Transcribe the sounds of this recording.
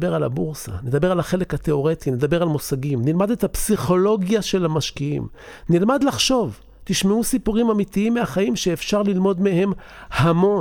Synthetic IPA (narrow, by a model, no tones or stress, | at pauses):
be̞ʁala̰buʁsa̰ne̞d̪abe̞ʁalaχe̞le̞khat̪e̞o̞ʁe̞t̪ine̞d̪abe̞ʁalmusaɡimnilmad̪et̪hapsiχo̞lo̞ɡjaʃe̞lamaʃkiḭm | nilmad̪laχʃo̞v | t̪iʃmeusipuʁimamit̪iimːeaχaimʃeːfʃaʁlilmo̞d̪mehe̞m | hamo̞